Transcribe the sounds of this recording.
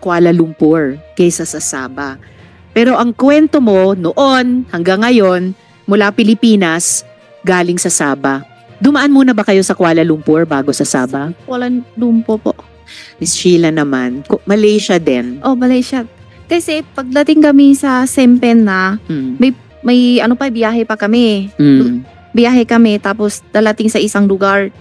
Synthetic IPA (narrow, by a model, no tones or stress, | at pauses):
kwaːlɐlʊmpoɹkɐjsɐsɐsa̰ːbɐ | pɛːɾo̞ʔɐŋkwɛnt̪o̞mo̞noʔonhɐŋɡaŋːɐjo̞n | mʊlapɪlɪpiːnɐs | ɡaːlɪŋsɐsaːbɐ | d̪ʊmɐʔanmuːnɐbɐkɐjo̞sɐkwaːlɐlʊmpoɹbaːɡosɐsa̰ːbɐkwɐlɐlumpopo̰ʔ | mɪst͡ʃiːlɐnɐma̰nkomɐlɛjʃɐd̪ɛnʔo̞mɐlɛjʃakɐsɛpɐɡ̚lɐt̪ɪŋkɐmisɐsɛmpɛnːɐmɐj | mɐjɐnopɐjbɪjaːɦɛpɐkɐmɛ | bɪjaːɦɛkɐmɛt̪aːposlɐlɐt̪ɪŋsɐʔɪsaŋlʊɡaɹ